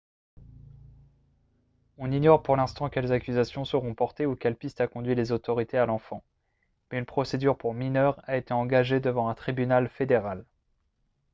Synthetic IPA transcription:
ɔ̃niɲɔʁpuʁlɛ̃st̪ɑ̃kʲɛlzakʲyzasjɔ̃səʁɔ̃pɔʁt̪eukʲɛlpist̪akɔ̃d̪ɥilezot̪ɔʁit̪ʰealɑ̃fɑ̃ | mɛynpχɔsed̪yʁpuʁminœʁaet̪eɑ̃ɡaʒed̪əvɑ̃ɛ̃t̪χibynalfed̪eʁal

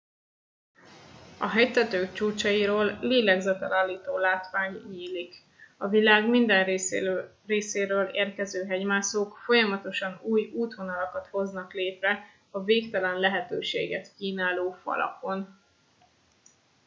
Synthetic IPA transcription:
ɒɦɛjt̪ɛt̪øːkt͡ʃuːt͡ʃɒjiɾoːlːeːlɛɡzɛt̪ɛlʔaːlːiːt̪oːlaːt̪ʋaːɲɲiːlik | ɒvilaːɡmind̪ɛn | reːseːɾøːlḛːrkɛzøːɦɛɟmaːsoːkfo̞jɒmɒt̪o̞ʃɒnuːjuːt̪ho̞nɒlɒkɒt̪ho̞znɒkleːt̪rɛ | ɒveːkt̪ɛlɛnlɛɦɛt̪øːʃḛːɡɛt̪kiːnaːloːfɒ̰lɒ̰ko̞n

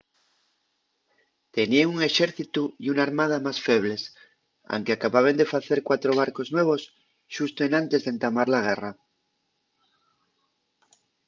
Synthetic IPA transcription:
t̪enieuŋeʃeɾθit̪uiunaɾmað̞amasfeβ̞les | a̰wŋkeakaβaβ̞end̪efaθeɾkwat̪ɾoβ̞aɾkoznweβ̞os | ʃust̪oenãnt̪ezðent̪amaɾlaɣ̞era

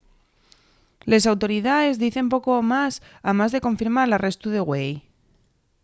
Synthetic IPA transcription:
le̞s̬awt̪o̞ɾiðaðe̞zðiθe̞mpo̞ko̞masamazðe̞ko̞ɱfiɾmaɾlare̞st̪uðe̞ɣwej

